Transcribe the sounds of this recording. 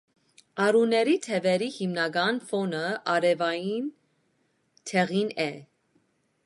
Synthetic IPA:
ɑɾunɛɾit̪ʰɛvɛɾihimnɑɡɑnfɔnəɑɾɛvɑjin | t̪ʰɛʁinɛ

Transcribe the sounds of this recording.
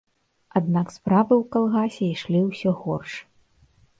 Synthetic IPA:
ad̪̚nakspɾavɨwkalˠɣasʲɛiʂlʲiwsʲɔɣɔrʂɨ̥

